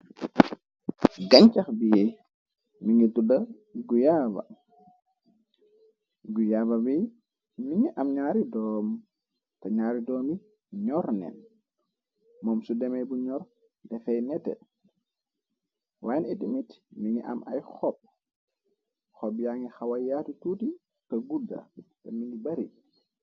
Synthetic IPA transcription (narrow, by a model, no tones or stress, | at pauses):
ɡaɲt͡ʃaxbijɛ | miŋɡɛduda | ɡujaːba̰ | ɡujabawij | miŋɛʔamɲaːɾidɔm | taɲaːɾidɔːmi | ɲɔɾnɛ̰n | mɔmsudɛmɛbuɲɔɾ | dɛfɛjnɛtɛ̰ | wajɛnɛɗimitmiŋiʔa̰mʔa̰jxɔp̚ | xɔbjaŋixawajjatututi | taɡuda̰tamiŋɡibaɾi